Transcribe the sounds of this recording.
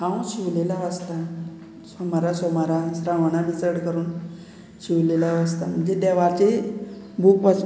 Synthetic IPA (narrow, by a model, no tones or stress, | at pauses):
hãwɕiʋlelaʋəst̪a | sɔmaɾasɔmaɾasɾaʋɳ̃abit͡səɾɽkəɾuːn | ɕiʋlelaʋəst̪am̤əɳd͡zed̪ɛʋaɾt͡ɕe | bʱuːkʋət͡s